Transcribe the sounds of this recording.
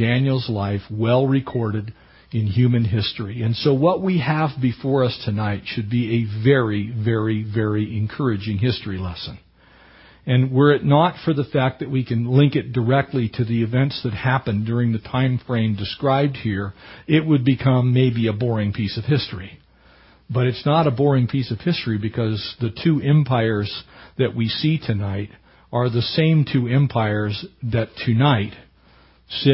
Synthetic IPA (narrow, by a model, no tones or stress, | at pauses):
d̥æ̃njl̩ˠzlaɪfwɛlˠɹɨkʰɔɹɾɨɾ | ɨ̃nɦjʉmɨ̃nɦɪstɹ̥iɨ̃nsoʊwʌʔ̚wiɨvbɨfɔɹʌstʰɨnaɪtʃɨd̚biɨvɛɹivɛɹivɛɹiɨ̃nkʰɜ˞ɨd͡ʒɪ̃ŋhɪstɹ̥ilɛ̰sə̃n | ɨ̃nwə˞ɨtⁿnətfə˞ðəfæk̚ðɨt̚wikʰɨ̃nlɪ̃ŋkɨt̚d̥ə˞ɛk̚tˡliɾɨðiɨvɛ̃ntsðɨt̚hæpɨ̃ndʊɹɪ̃ŋðɨtʰãɪ̃ɱfɹẽɪ̃mdɨskɹaɪb̚d̚hiɹɪt̚wɨd̚bɨkʰʌ̃mːeɪbiɨbɔɹɪ̃ŋpʰisʌv̥hɪstɹ̥i | b̥ʌɾɨtsnəɾəbɔɹɪ̃ŋpʰisʌv̥hɪstɹ̥ibɨkʰʌzðɨtʰʉʔɛ̃mpʰaɪə˞zðɨʔ̚wisitʰɨnaɪɾ | ə˞ðɨsẽɪ̃mtʰʉɛ̃mpʰaɪə˞zðɨtʰɨnaɪt̚ | sɪ